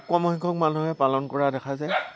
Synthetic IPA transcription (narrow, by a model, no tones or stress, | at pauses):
kɔmɔhiŋkʰɔk̚manuɦɛpalɔnkɔɹadɛkʰazaj